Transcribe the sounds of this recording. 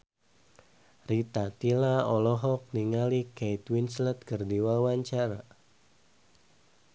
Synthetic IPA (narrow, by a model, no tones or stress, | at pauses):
rit̪at̪ilaɔlɔɦɔk̚niŋalikejt̪winslɛt̪̚kərdiwawaɲt͡ʃaɾa